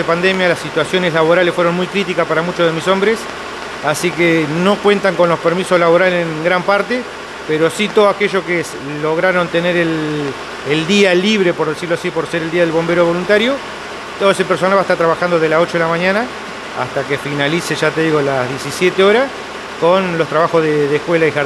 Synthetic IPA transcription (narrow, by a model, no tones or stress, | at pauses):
epand̪emjalasit̪wasjo̞neslaβoɾalesfweɾo̞nmujkɾit̪̬ikaspaɾamut͡ʃoðemiso̞mbɾes | asikeno̞kwe̞nt̪aŋko̞nlospeɾmiso̞slaβo̞ɾaleŋŋɡɾampaɾt̪e | peɾo̞sit̪oðoakeʒo̞kes | lo̞ɣɾaɾo̞nt̪e̞neɾel | eld̪ialiβ̞ɾe̞po̞ɾðesiɾloasipo̞ɾseɾeld̪iaðelβo̞mbe̞ɾo̞β̞o̞lunt̪aɾjo̞ | t̪oðes̬epeɾs̬o̞nalβaest̪aɾt̪ɾaβaxand̪oðelaso̞t͡ʃo̞ðelamãɲãna | a̰st̪akefinaliseʒat̪e̞ðiɣolazðjesisje̞t̪eo̞ɾas | konlo̞st̪ɾaβaxozðeðehkwelaixa